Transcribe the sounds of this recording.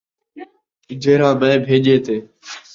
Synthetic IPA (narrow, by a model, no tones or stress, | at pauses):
ɪd͡ʒʱeːɾãːmə̃ːbʱeːʄeːt̪eː